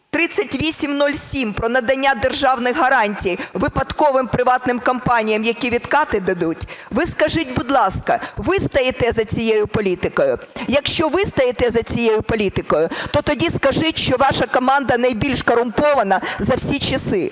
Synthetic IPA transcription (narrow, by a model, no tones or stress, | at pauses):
t̪ɾɪt͡sʲːɐtʲʋʲisʲimnɔlʲsʲimpɾɔnɐd̪ɐnʲːad̪erʒɑwnɪxɦɐɾɑnʲtʲijʋɪpɐt̪kɔʋɪmpɾɪʋɑt̪nɪmkɐmpɑnʲijɐmjɐkʲiʋʲid̪kɑt̪ɪd̪ɐd̪utʲʋɪskɐʒɪt̚ʲbʊd̪lˠɑskɐʋɪst̪ɐjɪt̪ɛzɐt͡sʲijejʊpɔlʲit̪ɪkɔjʊjɐkʃt͡ʃɔʋɪst̪ɐjɪt̪ɛzɐt͡sʲijejʊpɔlʲit̪ɪkɔjʊt̪ɔt̪ɔdʲiskɐʒɪtʲʃt͡ʃɔʋɑʃɐkɔmɑnd̪ɐnɐjbʲilʲʃkɔɾʊmpɔʋɐnɐzɐwsʲit͡ʃɐsɪ